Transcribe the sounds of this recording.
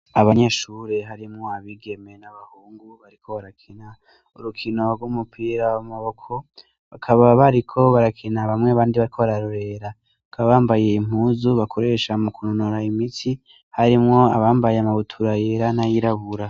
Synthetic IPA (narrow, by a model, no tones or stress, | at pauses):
aβaɲe̞ʃuːɾe̞ɦaɾimŋo̞aβiɡe̞me̞naβahuːŋɡuβaɾikʰo̞βaɾakʰina | uɾukʰino̞ɡwumupʰiːɾawamaβo̞kʰo̞ | βakʰaβaβaɾikʰo̞βaɾakʰinaβamŋeaβaːndiβaɾikʰo̞βaɾaɾoɾe̞ɾa | βakʰaβaβaːmbaje̞im̥uːzuβakʰo̞ɾe̞ʃamukʰunonoɾaimitʰi | haɾimŋo̞aβaːmbajeamaβutʰuɾajeɾanajiɾaβuɾa